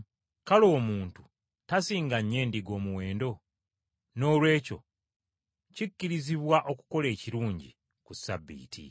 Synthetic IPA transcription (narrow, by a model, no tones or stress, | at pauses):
kalo̞ːmuːntu | tasiːŋɡaɲːe̞ːndiɡo̞ːmuwe̞ːndo̞ | no̞ːlwe̞ːco̞̰ | cicːiɾiziβwaʔo̞ku̥ko̞le̞ːciɾuːɲɟi | kusa̰bːḭːtʰḭ